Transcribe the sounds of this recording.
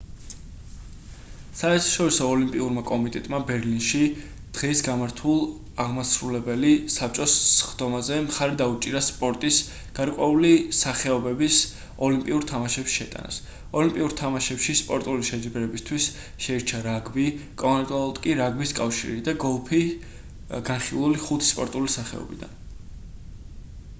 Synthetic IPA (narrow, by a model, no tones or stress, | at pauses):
saɛɾt̪ʰḁʃɔɾisɔːlimpʼiuɾmakʼɔmit̪ʼɛt̪ʼmabɛɾlinʃi | d̪̥ʁɛsɡamaɾt̪ʰulˠ | aʁmasɾulɛbɛlisap̚ʰt͡ʃʼɔsːχd̪̥ɔmazɛmχaɾid̪aut͡ʃʼiɾaspʼɔɾt̪ʼis | ɡ̥aɾkʼwɛulisaχɛɔbɛbis | ɔlimpʼiuɾt̪ʰamaʃɛpʃʃɛ̰t̪ʼa̰na̰s | ɔlimpʼiuɾt̪ʰamaʃɛpʃispʼɔɾt̪ʼuliʃɛd͡ʒibɾɛbist̪ʰwis | ʃɛiɾt͡ʃʰaɾaɡbikʼɔɔnt̪ʼalɔt̪ʼkʼiɾaɡbiskʼafʃḭɾid̪aɡɔlˠpʰi | ɡ̥anχilˠuliχut̪ʰi̥spʼɔ̰ɾt̪ʼulisaχɛ̰ɔ̰bid̪a̰n